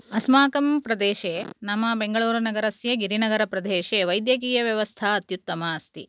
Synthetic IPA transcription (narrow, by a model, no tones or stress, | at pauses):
ɐsmaːkɐmpɾɐd̪eːʃeːnɐmːɐbeŋɡɐɭuːɾɐnɐɡɐɾɐsjɐɡiɾinɐɡɐɾɐpɾɐd̪eːʃeʋɐjd̪jɐk̬iːjɐʋjɐʋɐst̪ʰaɐt̪jut̪ːɐmaːst̪ḭ